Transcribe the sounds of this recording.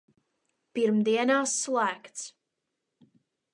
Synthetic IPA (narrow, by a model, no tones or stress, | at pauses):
piɾmd̪iɛnaːsːlˠæːkt̪s